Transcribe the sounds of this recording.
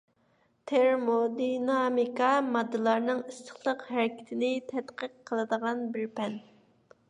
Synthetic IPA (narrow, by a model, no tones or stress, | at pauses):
t̪ʰeɾmod̪inɑmikʰɑmɑd̪ːɨlˠɑɾnɨŋist̪ə̥χlˠəqɦæɾɪkʲʰɪ̥t̪ʰɪnɪt̪ʰɛt̪qəqʰːəlˠɨd̪əʁɑnbɪɾpʰɛn